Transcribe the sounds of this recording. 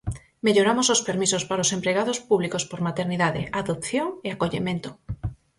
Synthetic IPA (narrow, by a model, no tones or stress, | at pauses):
meʎoɾamosospeɾmisospaɾaosempɾeɣaðospuβlikospoɾmat̪eɾniðaðeʔaðopθjoŋeakoʎemẽnt̪o̥